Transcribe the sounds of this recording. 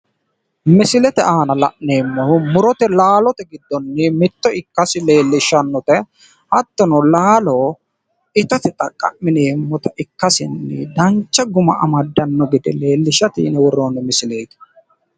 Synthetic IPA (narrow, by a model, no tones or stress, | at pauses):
mɪsɪlɛt̪ɛaːnɐlɐʔne̞ːmːɔmʊɾɔt̪ɛlaːlɔt̪ɛɡɪd̪ːɔnːɛmɪt̪ːɔɪkːɐsɪle̞ːlːɪʃɐnːɔt̪ɛ | hɐt̪ːɔnɔlaːlo | ɪt̪ɐt̪ɪt̪ʼɐkʼːɐ̰ʔmɪneːmːɔt̪ɐʔɪkːɐsɪnːɛd̪ɐnt͡ʃːɐɡʊmɐɐmɐd̪ːɐnːɔɡɪd̪ɛle̞ːlːɪʃɐt̪ɪ̰nɛwɔɾoːnɛmɪsɪle̞ːɡ